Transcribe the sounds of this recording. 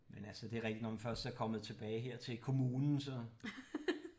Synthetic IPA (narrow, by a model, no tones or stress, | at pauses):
menælsəd̥e̝ɐʁeɡ̥̚d̥i̥dnɒmænfɶɐsd̥æɐkʰɒ̽məð̞̩ˠt͡sʰe̝b̥ɛːɪɦe̝ɐ̰t͡sʰe̝lkʰo̝muːnn̩sɒ̽